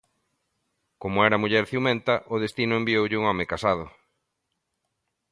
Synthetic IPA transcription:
komʊɛɾɐmuʎɛɾθjiuwmɛ̃nt̪ɐʔʊðest̪inʊembiowʎɪuŋɔmɪkasað̞ʊ

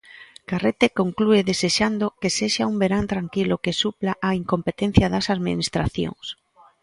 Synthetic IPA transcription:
karet̪ekoŋklueðeseʃand̪okeseʃaumbeɾant̪ɾaŋkilʊkesuplaʔaiŋkompet̪en̟θjaðasaðmḭnist̪ɾaθjo̰ŋs

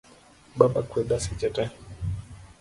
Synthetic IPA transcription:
baɓakwɛɗasit͡ʃɛtɛ

